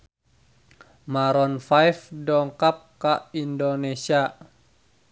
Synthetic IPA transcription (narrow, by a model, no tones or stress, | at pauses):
maɾɔnfajfdɔŋkap̚kaindonesia